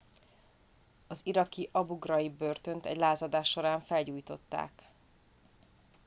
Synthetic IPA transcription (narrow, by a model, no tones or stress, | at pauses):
ɒziɾɒkiʔɒbuɡrɒjibø̞rt̪ø̞nt̪ɛ̰ɟlaːzɒd̪aːʃːo̞ɾaːɱfɛlɟuːjt̪o̞̰t̪ːa̰ːk